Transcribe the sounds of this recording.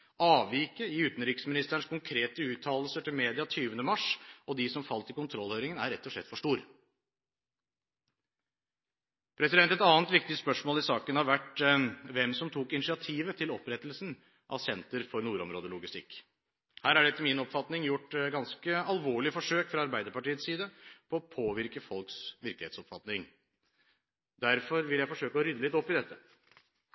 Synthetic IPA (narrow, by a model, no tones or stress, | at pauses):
ɑːʋʋiːkəɪʉːt̪n̩ɾiːkəsmɪnɪst̪əæɳʂkʊŋkʰɾeːt̪əʉːt̪ʰːɑːll̩səʈɪlmeːd̪ɪɑt̪ʰyːʋənd̪əmɑʂɔd̪ɪsɔmfɑlt̪ɪkʊnt̪ʰɾɔlːhœʏɾɪŋənæ̰ɾːɛt̪ʰːɔʂlɭɛ̰t̪ːfɔʂʈuːɾ | pʰɾɛsɪd̪ɛnt̪ɛt̪ɑːnt̪ʋɪk̚t̪ɪspœʂmoːlɪsɑːkənɑʋʋæʈʋɛmsɔmt̪ʰuːkɪnɪʂɪɑt̪ʰiːʋət̪ʰɪlɔpɾɛt̪ːəlsn̩ | ʔɑ̰ʋsɛnt̪əɾfɔɾnuːɾɔmɾoːd̪əlʊɡɪst̪ɪkː | hæːɾæɖɛt̪ːəmɪnɔpfɑt̪nɪŋjʊʈːɡɑnskəɑlʋoːɭɪfɔʂøːkfɾɑɑɾbæɪd̪əɾpɑʈiːət̪siːd̪əpʰɔːɔpʰoːʋɪɾkəfɔlksʋɪɾklɪheːt̪sɔpfɑt̪nɪŋ | d̪æɾfɔɾʋɪljæɪfɔʂøːkəɔɾʏd̪ːəlɪt̪ːɔpːɪd̪ɛt̪ːə